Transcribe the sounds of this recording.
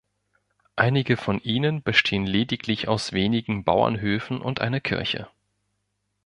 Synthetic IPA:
ʔaɪnɪɡəfɔnʔiːnənbəʃtʰeːənleːdɪklɪçaʊsv̥eːnɪɡŋ̩ba̰ʊɐ̰nɦøːfn̩ʔʊ̰ntʔa̰ɪnɐkʰɪ̰ɐçə̰

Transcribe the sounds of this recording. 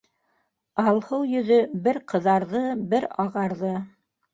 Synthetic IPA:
ɑlˠhɤwjɵ̆ðɵbɘɾqɤ̆ðɑɾðɤbɘɾɑʁɑɾðɤ

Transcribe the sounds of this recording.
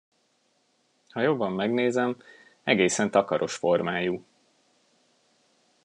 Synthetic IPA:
hɒjo̞bːɒmːɛɡneːzɛm | ɛɡeːsɛnt̪ɒkɒɾʔo̞ʃfo̞rmaːju

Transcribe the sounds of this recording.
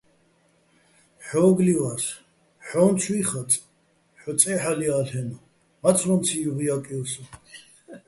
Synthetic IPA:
ħɔːɡliwas | ħɔːnt͡sʰwiχat͡sʼ | ħɔt͡sʼɛħalialhɛnɔ | mat͡sʰɾɔnt͡sʰijuʁijakʼiɔsɔ

